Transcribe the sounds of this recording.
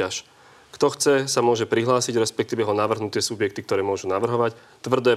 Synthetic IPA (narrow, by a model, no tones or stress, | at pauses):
aʃ | kt̪ɔxt͡sɛsamʊɔʒɛpɾiɦlaːsiɟɾɛspɛk̚t̪iːʋɛɦɔnaʋr̩ɦnut̪ɪɛsubjɛkt̪ik̚t̪ɔɾɛːmʊɔʒunaʋr̩ɦɔʋac | t̪ʋr̩d̪ɛɛ